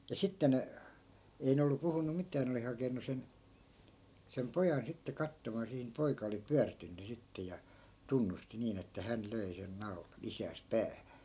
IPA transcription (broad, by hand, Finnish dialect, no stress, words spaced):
jɑ sitːe ne ei ne olːu puhunu mitˑæː ne oli hɑkenu sen sem pojɑn sitːe kɑtːomɑː sihi ni poikɑ oli pyærtynːy sitːe jɑ tunːusti niːn etːæ hæn løi sen nɑu̞lɑn̞ isæːs pæːhæ̥